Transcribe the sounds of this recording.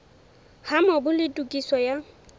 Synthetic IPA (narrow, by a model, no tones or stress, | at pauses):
hamɔbʊlɪtʼukʼisɔja